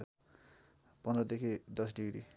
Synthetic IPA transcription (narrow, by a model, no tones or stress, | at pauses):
pʌnd̪rʌd̪ekʰid̪ʌsɖiɡɾi